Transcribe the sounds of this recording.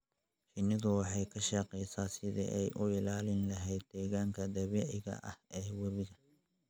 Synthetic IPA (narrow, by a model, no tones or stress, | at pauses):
t͡ʃɪnːɪðʊwɑħɑjkʰɐʃɑqɛjsaːsɪðḭʔɛjʔʊɪlaːlɪnlɐɦɛjd̪̚ːɛːɣaːŋkʰɐd̪ɐβɛːʕɪɣɐ̰ʔɐ̰hʔɛːwɐβɪɣɐ